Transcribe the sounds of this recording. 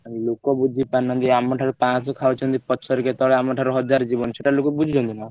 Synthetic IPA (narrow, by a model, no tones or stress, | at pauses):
lokɔbud͡ʒʱipaɾnɔ̃nd̪iamɔʈʰaɾupãsɔkʰawt͡ʃʰɔnd̪ipɔsʰɔɾiket̪ɔɭeamɔʈʰaɾɔɦɔd͡ʒaɾd͡ʒibɔnsʰeʈalokɔbud͡ʒʱid͡ʒʱɔ̃nt̪unɔ